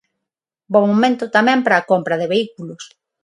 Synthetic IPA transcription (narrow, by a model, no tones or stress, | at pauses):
bomomẽnt̪ʊt̪amɛ̃mpɾɐːkompɾɐðɪβeikulʊs